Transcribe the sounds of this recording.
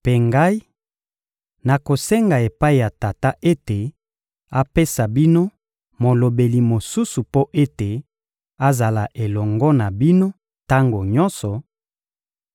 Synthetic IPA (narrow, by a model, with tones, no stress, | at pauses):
pe˨ŋɡa˦i˦ | na˨ko˨se˦ŋɡa˨e˨pa˦i˨ja˨ta˨ta˦ʔe˦te˨ | a˦pe˦sa˨bi˦no˦ | mo˨lo˨be˨li˨mo˨su˦su˨po˦ʔe˦te˨ | a˦za˨la˨ʔe˨lɔ˨ŋɡɔ˦na˨bi˦no˦ | ta˦ŋɡo˨ɲɔ˦nsɔ˨